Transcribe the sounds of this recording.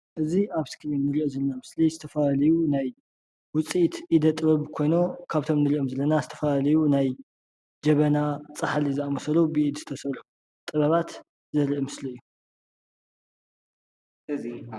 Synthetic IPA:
ʔɨziʔaβskʰinːɨɾiʔozɐlnamɨslizɨt̪ʰɐfɐlalɐjunaj | wʊt͡sʼit̪ʔid̪ɐt̪ʼɨβɐβkʰo̞jno̞kʰaβt̪ʰo̞mnɨɾiʔomzɐlːɐnazɨt̪ʰɐ̥fɐlalɐjunaj | d͡ʒɐβɐnat͡sʼɨħaliziamɐsɐlubɨʔid̪zɨ̥t̪ʰɐsɐlu | t̪ʼɨβɐβat̪ | zɐliʔɨmɨsliɨjːu | ɨi

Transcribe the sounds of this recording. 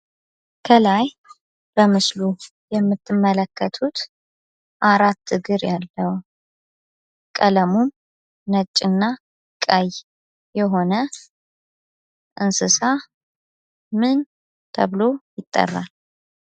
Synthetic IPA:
kʰəlaj | bəmɨslu | jɛmːɨt̪ʰːɨmːələkːət̪ʰut̪ | ʔaɾat̪ːɨɡɨɾjalːəw | kʼələmum | nət͡ʃʼːɨnːa | kʼaj | jɛɦo̞nə | ʔɨnsɨsa | mɨn | t̪ʰəβlo̞jɪt̪ʼːə̰rːa̰l

